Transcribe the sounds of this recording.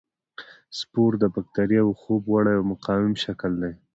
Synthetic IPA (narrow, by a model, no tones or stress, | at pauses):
spoɾd̪əbak̚t̪aɾjaawxobwaɽajawmʊqɑwɪmʃakəld̪aj